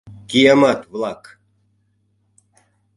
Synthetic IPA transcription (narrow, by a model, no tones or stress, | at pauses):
kʲijɑmɑt̪vlˠɑk